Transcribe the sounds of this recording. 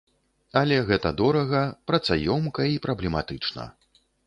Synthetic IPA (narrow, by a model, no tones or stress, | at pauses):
ɐlʲɛɣɛt̪ɐd̪ɔɾɐɣɐpɾɐt̪sajɔmkɐipɾɐblʲɛmat̪ɨt͡ʂnɐ̰